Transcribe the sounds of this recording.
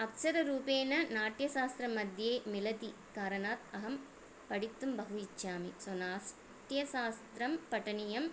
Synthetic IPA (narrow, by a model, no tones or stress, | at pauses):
ɐksɐɾɐɾuːpeːnɐnaːʈjɐsaːst̪ɾɐmːɐd̪ʱjeːmɪlɐt̪ikaːɾɐnaːt̪ɐɦɐm | pɐɽɪt̪ːɯmbɐɣuɪt͡ʃːjaːmisonaːs | ʈjɐsaːst̪ɾɐmpɐʈːɐnijɐm